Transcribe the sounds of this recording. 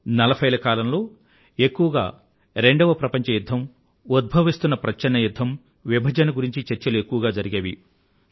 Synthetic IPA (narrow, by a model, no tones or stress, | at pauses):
nɐlɐpʰɐjɐlɐkaːlɐmlo̞ː | e̞kːuʋɐɡa̰ː | ɾe̞ɳɖɐʋɐpɾɐpɐɲt͡ʃɐjud̪ʱːɐm | ud̪̚bʱɐʋist̪unːɐpɾɐt͡ʃːɐnːɐjud̪ʱːɐm | ʋibʱɐd͡ʒɐnɐɡuɾiɲt͡ʃit͡ʃɐɾt͡ʃɐlue̞kːuʋɐɡaːd͡ʒɐɾiɡɐːʋḭ